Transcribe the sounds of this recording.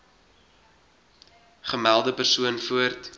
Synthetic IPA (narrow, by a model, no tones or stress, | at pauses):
χəmælˠdəpərsuənfuərt